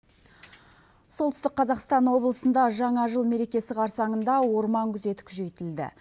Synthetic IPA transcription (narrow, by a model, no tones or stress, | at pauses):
solt̪ʏst̪ɪq̚qʰːɑzɑqst̪ɑnwo̞blˠəsənd̪ɑʒɑɴɑʒəlˠme̞ɾe̞kʲe̞sɪqɑɾsɑɴənd̪ɑwo̞ɾmɑŋkʲʰʏze̞t̪ɪ̥kʲʰʏʒe̞jt̪ɪld̪ɪ̰